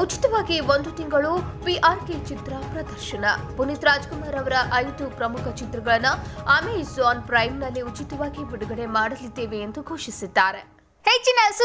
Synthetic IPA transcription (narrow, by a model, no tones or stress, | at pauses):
ut͡ʃi̥t̪ɐʋaːɡiʋond̪ut̪iŋɡɐɭupiʔaːɾket͡ʃit̪ɾɐpɾɐd̪ɐɾʃɐnɐpunit̪ɾaːd͡ʒkumaːɾɐʋɐɾɐʔɐjd̪upɾɐmukʰɐt͡ʃit̪ɾɐɡɐɭɐnːuɐmezoːnpɾɐjmnɐlːiut͡ʃit̪ɐʋaːɡibiɽuɡɐɽe̞maːɽɐlid̪ːeːʋeend̪uɡʱoːʃisid̪ːaːɾe̞ | het͡ʃːinɐsu